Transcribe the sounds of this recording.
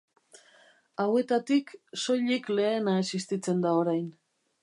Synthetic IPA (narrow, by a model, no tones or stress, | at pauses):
awe̞t̪at̪ikso̞ʎikle̞ːnae̞sist̪it͡se̞nd̪aoɾajn